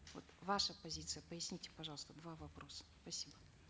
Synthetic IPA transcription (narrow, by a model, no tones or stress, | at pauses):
vo̰t̪vaʂəpɐzʲit̪sɨjəpəjɪsʲnʲitʲɪ̥pɐʐɑlˠəst̪əd̪vavɐpɾo̞sə̥spɐsʲibə